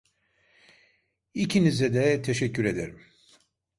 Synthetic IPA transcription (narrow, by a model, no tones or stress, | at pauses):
icʰinizɛd̪ɛt̪ʰeʃɛcʰːyɾe̞d̪eɾim